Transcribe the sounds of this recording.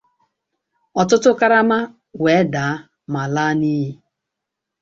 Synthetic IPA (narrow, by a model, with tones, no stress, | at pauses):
ɔ˨tʊ˦tʊ˦ka˦ɾa˦ma˦ | we˨˦daː˨a˦ | ma˨la˦niː˦ɦi˦